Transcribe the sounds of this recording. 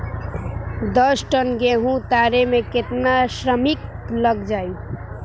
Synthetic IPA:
d̪ʌsʈənɡeɦũt̪aɾemeket̪nasɾəmik | ləɡd͡ʒaju

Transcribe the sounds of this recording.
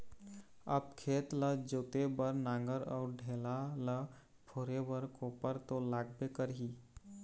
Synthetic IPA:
ə̰bkʰet̪ləd͡ʒot̪ebəɾnãŋɡəɾɔ̰ʊɾɖʱelalə | pʰoɾebəɾkopəɾt̪olaɡ̚bekəɾɦi

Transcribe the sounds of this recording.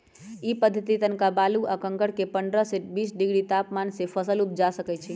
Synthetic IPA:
ipəd̪ʱːət̪it̪ənkabaluʔakə̃ŋkəɽkepəɳɖɾəseʈbisɖiɡɽit̪apmansepʰəsəlup̚d͡ʒasəkɛt͡ʃʰi

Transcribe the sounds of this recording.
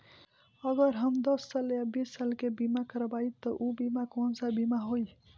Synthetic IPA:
əɡəɾɦəmd̪əsːəljabisːalkebimakəɾəbajt̪ɔʔubimakonsabimaɦoj

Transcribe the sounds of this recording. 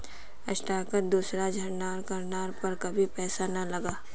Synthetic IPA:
ɐ̰ʃʈaːkət̚d̪uːsɾad͡ʒʱɐɾnaːɾkɐɾnaːɾpɐɾkɐbʱipɛːsanɐlɐɡaː

